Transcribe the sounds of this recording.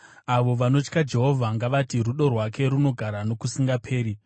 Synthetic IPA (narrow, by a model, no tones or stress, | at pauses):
aʋo̞ʋano̞t͡ʃkad͡ʒe̞ɦo̞vʱaŋɡaʋatiruɗo̞rwake̞ɾuno̞ɡʱaɾano̞kusiŋɡapʰe̞ːɾi